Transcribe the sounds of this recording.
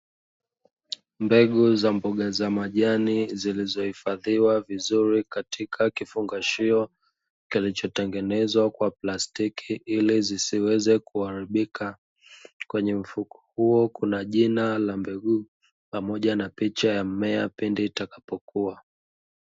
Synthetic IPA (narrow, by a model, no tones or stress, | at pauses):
mbɛɠuzambɔɠazamaʄanizilizɔhifaðiwavizuɾikatikʰakifuŋɡaʃiɔ | kilit͡ʃɔtɛŋɡɛnɛzwakwaplastikʰiʔilizisiwɛzɛkuaɾiɓikʰa | kwɛɲɛm̩fukʰɔ̥huɔkunaʄinalambɛɠu | pamɔʄanapit͡ʃajamɛapinditakḁpɔkua